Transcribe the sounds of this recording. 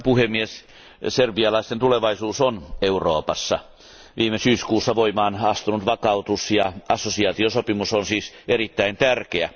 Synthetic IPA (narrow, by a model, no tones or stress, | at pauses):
puhemːies | serʋiɑlɑist̪ent̪uleʋɑisuːsoneuroːpɑsːɑ | ʋʔiːmesyːskuːsːɑʋoimɑːnɑst̪unut̪ʋɑkɑut̪usjɑɑsːosiɑːt̪iosopimusonsiːsʔerit̪ːæint̪ærkeæ